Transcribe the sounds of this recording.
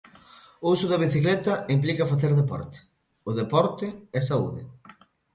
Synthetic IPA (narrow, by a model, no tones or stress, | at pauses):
usʊðɐβ̞iθiklɛt̪ɐimplikɐfaθeɾðepɔ̰ɾt̪ɪ̥ | ʊðepɔɾt̪ɪɛsaṵðɪ̰